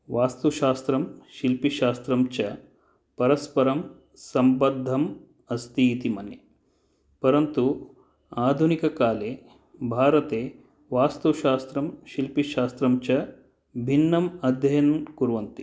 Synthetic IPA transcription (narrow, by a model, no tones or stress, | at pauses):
ʋaːst̪uʃaːst̪ɾɐmʃilpiʃaːst̪ɾɐmt͡ʃɐ | pɐɾɐspɐɾɐm | sɐmbɐd̪ʱːɐm | ɐst̪it̪imɐnjɐ | pɐɾɐnt̪u | aːd̪ʱunikɐkaːleː | bʱaːɾɐt̪eː | ʋaːst̪uʃaːst̪ɾɐmʃilpiʃaːst̪ɾɐmt͡ʃɐ | bʱinːɐmɐd̪ʱjɐjɐnɐnkuɾuʋɐnt̪i